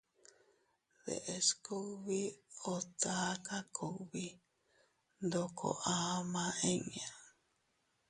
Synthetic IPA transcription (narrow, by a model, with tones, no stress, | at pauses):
ðḛ˨ʔesko˦βi˦ot͡saːka˦kʰo˨βi | nd̪okʰo̰˨ʔa˦mã˦ʔẽ˦ɲã˨